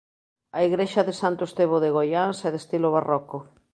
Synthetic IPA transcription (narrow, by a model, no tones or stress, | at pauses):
aiɣɾeʃɐðɪsant̪ʊest̪eβ̞oðeɣojansɛðest̪iloβ̞arɔko